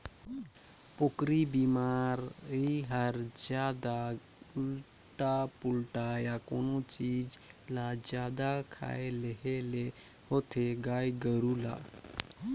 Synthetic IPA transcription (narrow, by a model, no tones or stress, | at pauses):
pokɾibimaɾiɦəɾd͡ʒad̪a | ul | ʈapulʈajakonɔt͡ɕid͡ʑlad͡ʑjad̪akʰa̰eleɦele | hot̪ʰeɡajɡəɾula̰